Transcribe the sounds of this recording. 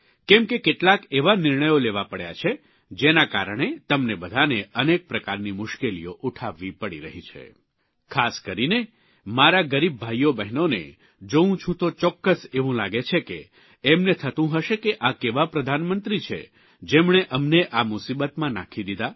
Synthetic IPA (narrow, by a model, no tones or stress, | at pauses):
kɛmkekeʈlakeʋanɪɾɳəjoleʋapəɽja̰t͡ʃʰe | d͡ʒenaka̰ɾəɳ̃et̪əmnebəd̪ʱaneənek̚pɾəkaɾnimʊʃkelḭjoʔuʈʰaʋːipəɽḭɾəɦit͡ʃʰḛ | kʰaskəɾine | maɾaɡəɾibːʱajobɛɦnonḛ | d͡ʒoũt͡ʃʰũt̪ot͡ʃɔkːəseʋũlaɡet͡ʃʰekḛː | mnet̪ʰət̪ũɦəʃekeʔakeʋapɾəd̪ʱanmənt̪ɾit͡ʃʰḛ | d͡ʒemɳ̃eʔəmneʔamʊsibət̪mãna̰kʰid̪id̪a